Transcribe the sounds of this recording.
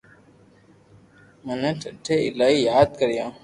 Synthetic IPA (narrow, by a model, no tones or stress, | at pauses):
mənəʈʰəʈʰeːɪlaːiːjaːd̪̚kəɾɪjãː